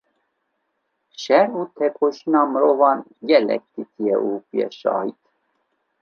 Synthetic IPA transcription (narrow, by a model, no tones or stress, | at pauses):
ʃɛɾut̪ʰɛkʰoʃinɑməɾovɑnɡɛlɛ̰k̚t̪it̪ʰijɛʔupijɛ̰ʃɑ̰ːhit̪